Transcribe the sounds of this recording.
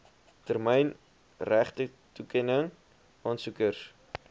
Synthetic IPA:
tərmɛjn | ræχtə | tukɛnəŋ | ʔɑːnsukərs

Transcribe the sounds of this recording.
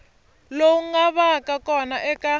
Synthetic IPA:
lowuŋaβakʼakʼɔnaʔɛkʼa

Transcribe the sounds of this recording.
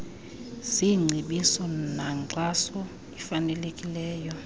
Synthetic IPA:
siŋ͡ǀʱiɓisɔnaǀasɔ | ifanɛlekʼilɛːjɔ

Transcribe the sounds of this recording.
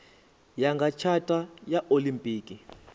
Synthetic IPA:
jaŋɡat͡ʃʰatʼajaʔolimpʼiːki

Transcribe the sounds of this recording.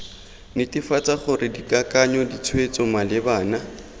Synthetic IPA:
nɪtʼɪfat͡sʼaχʊrɪdikʼakʼaɲɔdit͡sʰwet͡sɔmalɪbaːna

